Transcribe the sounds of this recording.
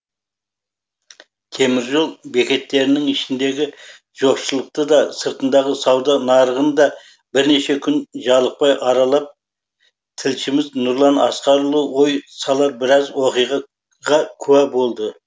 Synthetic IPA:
t̪ʰe̞mɪɾʒo̞lˠbe̞kʲe̞t̪ːe̞ɾɪnɪŋɪʃɪnd̪e̞ɡʲɪ | ʒ̥o̞pʃəlˠəq̚t̪əd̪ɑsəɾt̪ənd̪ɑʁəsɑwd̪ɑnɑɾəʁənd̪ɑ | bɪɾne̞ʃe̞kʲʰʏnʒɑlˠəq̚pɑjʔɑɾɑlˠɑp̚ | t̪ʰɪlʃɪmɪznʊɾlˠɑnɑsqɑɾlˠəwo̞jsɑlˠɑɾbɪɾɑzwo̞qijʁɑ | ʁɑkʲʰʉwæbo̞lˠd̪ə

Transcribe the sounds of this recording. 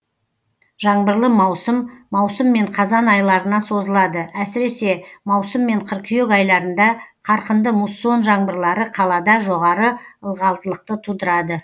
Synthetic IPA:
ʒɑɴbəɾlˠəmɑwsəmːɑwsəmːe̞ɴqʰɑzɑnɑjlˠɑɾənɑso̞zəlˠɑd̪əæsɪɾe̞se̞mɑwsəmːe̞ɴqʰəɾkʲʰʏjekɑjlˠɑɾənd̪ɑqʰɑɾqənd̪əmusːo̞nʒɑɴbəɾlˠɑɾəqʰɑlˠɑd̪ɑʒo̞ʁɑɾəəlˠʁɑlˠt̪əlˠəq̚t̪ət̪ʰud̪əɾɑd̪ə

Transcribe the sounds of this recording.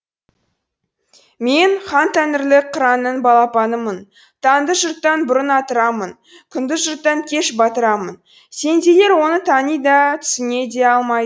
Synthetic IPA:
me̞nχɑnt̪ʰænɪɾlɪqʰəɾɑnəɴbɑlˠɑpɑnəmən | t̪ʰɑnd̪əʒʊɾt̪ːɑnbʊɾənɑt̪əɾɑmən | kʲʰʏnd̪ɪzʒʊɾt̪ːɑŋkʲʰe̞ʃbɑt̪əɾɑmən | se̞nd̪e̞le̞ɾwo̞nət̪ʰɑnijd̪ɑt̪ʰʏ̥sɪne̞d̪e̞ɑlˠmɑjd̪ə

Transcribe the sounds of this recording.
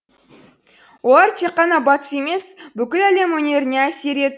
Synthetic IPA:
wo̞lˠɑɾt̪ʰe̞qːɑnɑbɑt̪ə̥se̞me̞sbʏkʲɪlæle̞mwɵne̞ɾɪne̞æse̞ɾe̞d̪ɪ

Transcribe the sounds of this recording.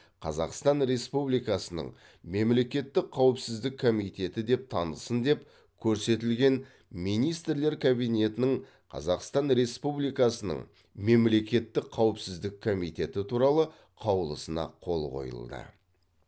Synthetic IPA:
qʰɑ̰zɑ̰qst̪ɑnɾe̞spublijkɑsənə̰ɴ | me̞mle̞kʲe̞t̪ːɪkqʰːɑwəpsɪzd̪ɪkʰːomijt̪e̞t̪ɪd̪e̞p̚t̪ʰɑnəlsənd̪e̞p | kʲʰɵɾse̞t̪ɪlɡʲe̞n | mijnijst̪ɾle̞ɾkʰabijne̞t̪ɪnɪɴ | qʰɑ̰zɑqst̪ɑnɾe̞spublijkɑsənə̰ɴ | me̞mle̞kʲe̞t̪ːɪkqʰːɑwəpsɪzd̪ɪk̚ʰːomijt̪e̞t̪ɪt̪ʰuɾɑlˠə | qʰɑwəlˠəsənɑ̰qʰo̞lˠqo̞̰jə̰lˠd̪ə̰

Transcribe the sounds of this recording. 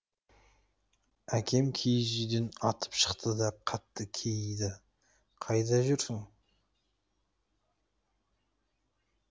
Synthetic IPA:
ækʲʰe̞mkʲʰejʒid̪enɑt̪ʰə̥pʃə̥qt̪əd̪ɑqʰɑt̪ːəkʲʰejɪjd̪ɪ | qʰɑjd̪ɑʒʏɾsɪŋ

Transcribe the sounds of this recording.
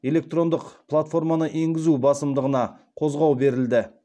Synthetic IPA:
e̞lʲe̞k̚t̪ro̞nd̪əqplˠat̪fo̞rmɑnəʔe̞ŋɡʲɪzubɑsəmd̪əʁənɑ | qʰo̞zʁɑwbe̞ɾɪld̪ɪ

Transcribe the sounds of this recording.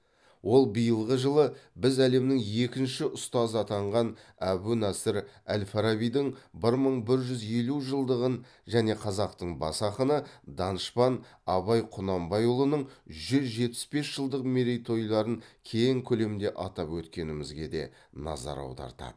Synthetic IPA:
wʔo̞lˠbijəlˠʁəʒəlˠəbɪzæle̞mnɪŋe̞kʲɪnʃɪʔʊst̪ɑzəɑt̪ɑɴʁɑnæbunɑsɪɾæ̰lfɑɾaβijd̪ɪɴbɪɾməɴbɪɾʒʏze̞luʒəlˠd̪əʁən | ʒæne̞qʰɑzɑqt̪əɴbɑ̰sɑqənəd̪ɑnʃpɑnɑβɑjqʰʊnɑmbɑjʊlˠənəɴʒʏzʒe̞t̪ɪ̥sbe̞sʒ̥əlˠd̪əqmeɾejt̪ʰo̞jlˠɑɾəŋkʲʰe̞jɪŋkʲʰɵle̞mnd̪e̞ʔɑt̪ɑpwɵt̪kʲe̞nɪmɪzɡʲe̞d̪e̞̰ | nɑ̰zɑ̰ɾɑ̰wd̪ɑ̰ɾt̪ɑ̰d̪ə

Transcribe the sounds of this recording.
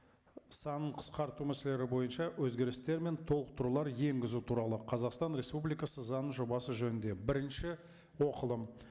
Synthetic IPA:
sɑnəɴqʰə̥sqɑɾt̪umæsele̞ɾɪbo̞jənʃɑwɵzɡʲe̞ɾɪst̪e̞ɾme̞nt̪ʰo̞lˠəq̚t̪ʰʊɾlˠɑɾje̞ŋɡʲɪzut̪ʰuɾɑlˠəqʰɑzɑqst̪ɑnɾe̞spublijkɑsəzɑnəɴʒo̞bɑsəʒɵnɪnd̪e̞bɪɾɪnʃɪ | woqəlˠəm

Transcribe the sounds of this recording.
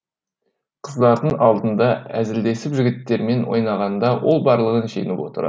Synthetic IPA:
qʰəzd̪ɑɾd̪əɴɑlˠd̪ənd̪ɑæzɪld̪e̞sɪpʒɪɡʲɪt̪ːe̞ɾme̞nwo̰jnɑʁɑnd̪ɑwʔo̞lˠbɑɾlˠəʁənʃe̞̰nɪpwo̞̰t̪ə̰ɾɑ̰

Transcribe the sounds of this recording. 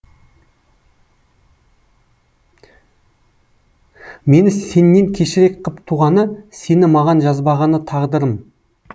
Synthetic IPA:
me̞nɪse̞nːe̞ŋkʲʰe̞ʃɪɾe̞kqʰəpt̪ʰuʁɑnəse̞nɪmɑʁɑnʒɑzbɑʁɑnət̪ʰɑʁd̪əɾəm

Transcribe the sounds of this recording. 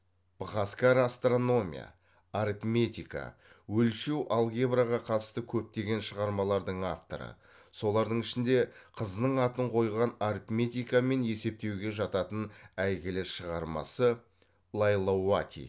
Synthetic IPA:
b̥ʁaskaɾast̪ro̞no̞mʲḭja̰ | aɾipmʲe̞t̪ʲika̰ | wɵlʃewʔalˠɡʲebɾaʁɑqʰɑt̪əst̪əkʲʰɵp̚t̪e̞ɡʲe̞nʃəʁɑɾmɑlˠɑɾd̪əɴaft̪o̞̰ɾə̰ | so̞lˠɑɾd̪əɴɪʃɪnd̪e̞qʰəznəɴɑt̪əɴqʰo̞jʁɑnaɾpmʲe̞t̪ijkame̞ne̞se̞p̚t̪e̞wɡʲe̞ʒɑt̪ɑt̪ənæjɡʲɪleɾʃəʁɑɾmɑ̰sə | lˠajlˠowat̪ʲḭ

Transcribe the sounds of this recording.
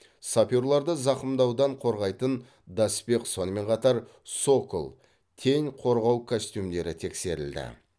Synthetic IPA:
sapʲoɾlˠɑɾd̪əzɑqəmd̪ɑwd̪ɑɴqʰo̞ɾʁɑjt̪ən | d̪ɑsbe̞qso̞nəme̞ɴqʰɑt̪ɑɾ | so̞kəlˠ | t̪ʰe̞ŋqʰo̞ɾʁɑwkʰosʲt̪ʲjumd̪e̞ɾɪt̪ʰe̞kse̞ɾɪ̰ld̪ɪ̰

